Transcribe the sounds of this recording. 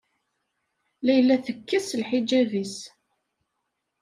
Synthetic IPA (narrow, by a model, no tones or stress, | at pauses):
læjlːæθəkːæsəlħid͡ʒːævis